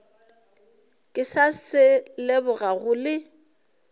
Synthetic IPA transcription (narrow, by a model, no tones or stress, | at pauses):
kʼɪsasɪlebʊɣaɣʊlɪ